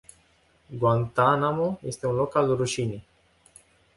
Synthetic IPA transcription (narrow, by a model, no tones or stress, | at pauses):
ɡwant̪anamoje̞st̪e̞unlo̞kalruʃinej